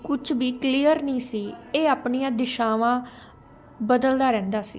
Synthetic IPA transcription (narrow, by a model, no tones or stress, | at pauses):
kʊt͡ʃʰbiːkliːəɾnĩːsiːeːaːpɳiːãːd̪ɪʃaːʋãː | bəd̪əld̪aːɾɛ̃ːnd̪aːsḭː